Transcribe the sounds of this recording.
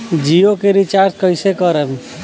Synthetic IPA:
d͡ʒijokeɾit͡ʃaɾt͡ʃkəɪsekəɾəm

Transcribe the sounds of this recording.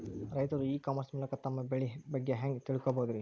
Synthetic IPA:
ɾɐjt̪ɐɾuiːkaːmɐɾsmuːlɐkɐt̪ɐmːɐbeɭibɐɡːeɦɐŋɡt̪iɭikoboːd̪iɾi

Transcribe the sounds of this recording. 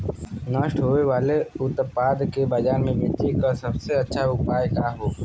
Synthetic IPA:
nəʃʈɦoːʋeʋaːleʊt̪paːd̪kebəd͡ʒaːnmẽbɪt̪ːikasɐbseɐtːʃʰaʊɡpaːjkaɦoː

